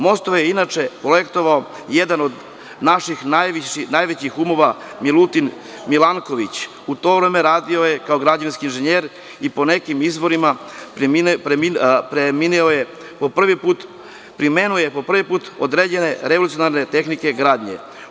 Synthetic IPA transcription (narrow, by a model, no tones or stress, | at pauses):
mo̞st̪oʋjeinat͡ʃepɾojekt̪o̞ʋao | jed̪ano̞d̪ | naʃixnajʋinajʋet͡ɕixumo̞ʋa | milˠut̪in | milaŋkoʋit͡ɕ | ut̪o̞ːʋɾeːme̞ɾaːd̪io̞je̞kaoɡɾad͡ʑaʋinskiːnʒeɲeːɾ | ipo̞ne̞kimizʋo̞ɾima | pemipɾeminioje | po̞pr̩ʋipuːt̪ | pɾime̞nuoje̞po̞pr̩ʋipuːt̪od̪ɾed͡ʑene̞ɾe̞ʋolut̪ijonaɾne̞t̪e̞xnike̞ɡɾaːd̪ɲḛ